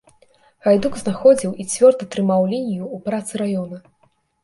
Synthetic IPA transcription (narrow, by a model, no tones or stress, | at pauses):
ɣajd̪uɡznaxɔd͡zʲiwit͡sʲvʲɔrd̪ɐt̪ɾɨmawlʲinʲijuːpɾat̪sɨɾajɔnɐ